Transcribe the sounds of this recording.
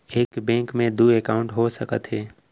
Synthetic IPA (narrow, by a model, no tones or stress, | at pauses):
eːkbɛ̃ːŋkmẽd̪uːekaːʊ̃ɳʈɦosəkət̪ɦɛː